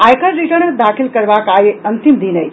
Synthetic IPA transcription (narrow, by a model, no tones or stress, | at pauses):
ajkʰəɾɾiʈəɾnd̪aːkʰilkɐɾʋakaːjeɐnt̪imd̪inɐj